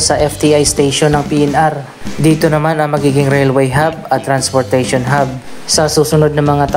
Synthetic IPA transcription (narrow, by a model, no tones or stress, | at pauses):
sɐʔɛft̪iʔajst̪ejʃonːɐŋpiːʔɛnʔaɾ | d̪iːt̪onɐmanɐŋmɐɡiːɡɪŋɾɛlwɛjɦabɐt̪ːɾanspoɹt̪ɛjʃonɦab̚ | sɐsuːsʊnod̪̚nɐŋmɐŋat̪ɐ